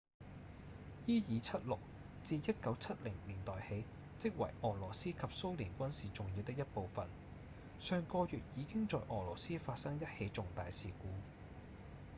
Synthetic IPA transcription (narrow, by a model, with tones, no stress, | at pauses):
jiː˥jiː˨˧t͡sʰɐ˥t̚lʊ˨k̚ | t͡siː˧jɐ˥t̚kɐ˨˥wt͡sʰɐ˥t̚lɪ˨˩ŋliː˨˩nt̪ɔː˨˩jhe˨˥j | t͡sɪ˥k̚wɐ̰˨˩jʔɔː˨˩lɔː˨˩siː˥kʰɐ˨p̚so˥wliː˨˩nkʷɐ˥nsiː˨t͡sʊ˨ŋjiː˨˧wt̪ɪ˥k̚jɐ˥t̚po˨wfɐ̰˨n | sœː˨ŋkɔː˧jyː˨t̚jiː˨˧kɪ˥ŋt͡sɔː˨jʔɔː˨˩lɔː˨˩siː˥faː˧t̚sɐ˥ŋjɐ˥t̚he˨˧˥jt͡sʊ˨ŋt̪aː˨jsiː˨kuː˨˥˦